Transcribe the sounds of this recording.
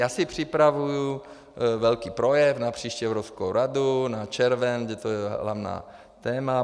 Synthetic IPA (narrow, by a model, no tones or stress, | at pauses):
jaːsipr̝̥ipɾaʋuju | ʋɛlkiːpɾɔjɛvnapr̥iːʃcɛʊɾɔskoʊɾad̪unat͡ʃɛɾʋɛnɡɟɛt̪ɔjɛɦɦla̰ʊna̰ː | t̪ɛːma